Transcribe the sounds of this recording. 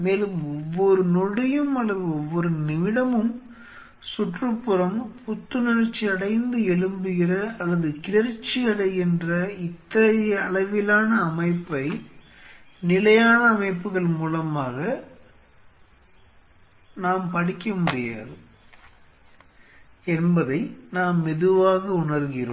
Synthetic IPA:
meːlɯmɔʋːɔɾɯnɔɽɯjɯmɐlːɐðɯɔʋːɔɾɯnɪʋɪɽɐmɯm | sʊʈrɯpːɯɾɐmpɔt̪ːɯnɪɾɐt͡ʃːiɐɽɐɪnd̪ɯɛɭɯmbɯɣɪrɐɐlːɐðɯkɪlɐɾt͡ʃːiɐɽɐɪɛndrɐɪt̪ːɐjɐɭɐʋɪlaːnɐːmɐɪpːɐɪ | nɪlɐjaːnɐːmɐɪpːɯɣɐɭmuːlɐmaːɣɐ | naːmpɐɽɪkːɐmʊɽɪja̰ːðɯ | ɛnbɐðɐɪnaːmːɛðɯʋaːɣɐʊɳɐɾɣɪro̰ːm

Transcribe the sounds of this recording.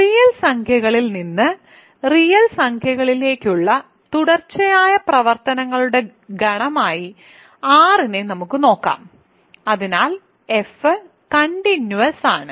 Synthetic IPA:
rijɐlsɐŋkʰjɐɣɐɭilninːɨ | rijɐlsɐŋkʰjɐɣɐɭile̞ːkʲːuɭːɐ | t̪uɽɐrt͡ɕːɐjaːjɐprɐʋɐrt̪ɐnɐŋːɐɭuɽe̞ | ɡɐɳɐmaːji | aːrinenɐmukːɨno̞ːkːa̰ːm | ɐðinaːl | efɨ | kɐɳɖinjuʋɐsaːɳɨ

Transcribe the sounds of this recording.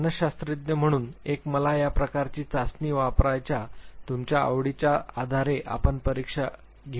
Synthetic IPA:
nəɕast̪ɾid̪jəm̤əɽ̃uːnekməlajapɾəkaɾt͡ɕiːt͡sasniːʋapɾajt͡ɕjat̪umt͡ɕjaə̰ʋɽit͡ɕjaad̪ʱaɾeʔa̰pəɳpəɾikʂa | ɡʱe

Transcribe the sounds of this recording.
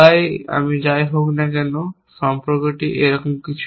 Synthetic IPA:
aja̰mid͡ʑajɦoknakɛno | ʃɔmpɔɾkoʈiʔeɾɔkomkit͡ɕʰ

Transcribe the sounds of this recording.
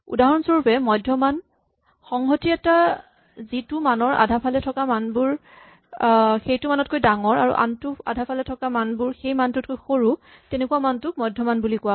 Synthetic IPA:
ṵdaɦɔnsoɹupɛmɔjdʱːɔman | xɔŋɦotiɛta | zitʊmanɔɹa̰dʱapʰalɛtʰɔkamanbʊɹ | xejtʊmanɔt̚kojdaŋɔɹa̰ɹṵʔa̰ntʊa̰dʱapʰalɛtʰɔkamanbʊɹxejmantʊt̚kojxoɹu | tɛnekuwamantʊk̚mɔjdʱɔmanbulikʊwa

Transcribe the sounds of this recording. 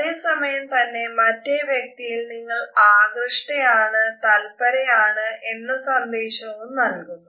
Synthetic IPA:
ðeːsɐmɐjɐmt̪ɐnːe̞mɐtːeʋjɐk̚t̪ijilniŋːɐɭaːɡrɨʂʈejaːɳɨt̪ɐlpɐɾejaːɳɨʔe̞nːɐsɐnd̪eːɕɐumnɐɭkunːu

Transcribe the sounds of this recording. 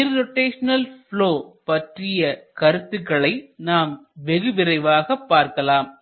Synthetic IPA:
nɪɾɾɔʈːeːʂɐnɐlfɭoːpɐʈrɪjɐkɐɾɯt̪ːɯkːɐɭɐɪnaːmʋɛɣɯʋɪɾɐɪʋaːɣɐpːaːɾkɐlaːm

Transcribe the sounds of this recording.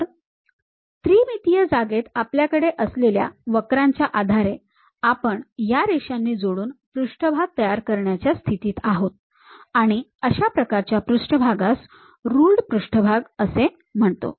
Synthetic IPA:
t̪ɾiːmit̪ijəd͡zaɡet̪apljakəɽeʔəslelja̰ʋəkɾaɲt͡ɕjaʔad̪ʱaɾe | apəɳjaɾeʂanːiːd͡zoɽuːnpɾuʂʈʰəbʱaɡ̚t̪əjaɾkəɾɳjat͡ɕjast̪ʰit̪iːt̪aɦot̪̚ | aɽ̃iəɕapɾəkaɾt͡ɕjapɾuʂʈəbʱaɡas | ɾuːlɖpɾuʂʈʰəbʱaɡəse | m̤əɳt̪o̰

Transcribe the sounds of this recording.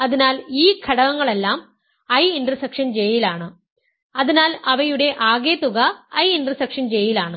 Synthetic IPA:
ɐðinaːliːkʰɐɽɐʋɐŋːɐɭelːaːm | ɐjindrɐsɐkʂɐnd͡ʑejilaːɳɨ | ɐðinaːlɐʋɐjuɽe̞ʔaːɣeːt̪ːuɣɐɐjindrɐsɐkʂɐnd͡ʑejilaːɳɨ

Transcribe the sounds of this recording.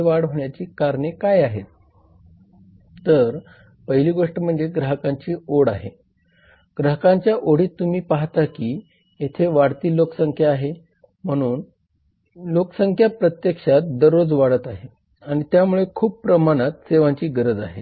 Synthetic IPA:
ʋaɽɦoɳjat͡ɕiːkaɾɳekajaɦet̪ | t̪əɾ | pəɦiliːɡoʂʈəm̤əɳd͡zeɡɾəɦəkaɲt͡ɕiːoɽa̰ɦe | ɡ̥ɾəɦəkaɲt͡ɕjaʔoɽiːt̪ːum̤iːpaɦt̪akiː | jet̪ʰeʋaɽt̪iːloksəŋkʰjaːɦe | m̤əɽ̃uːn | lokəsəŋkʰjapɾət̪jekʂat̪̚d̪əɾod͡zʋaɽət̪aɦe | aɽ̃it̪jamuɭekʰuːb̚pɾəmaɽ̃at̪seʋãɲt͡ɕiːɡəɾəd͡za̰ɦe

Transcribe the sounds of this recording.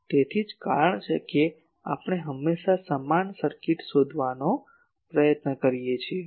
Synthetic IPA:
t̪et̪ʰid͡ʒka̰ɾəɳt͡ʃʰeke | a̰pɳ̃eɦəmːeʃasəmansəɾkiʈsod̪ʱʋano | pɾəjət̪nəkəɾijet͡ʃʰie

